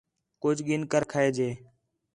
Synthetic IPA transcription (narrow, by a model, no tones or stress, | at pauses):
kʊd͡ʒʱɠɪnkəɾkʰaeːd͡ʒeː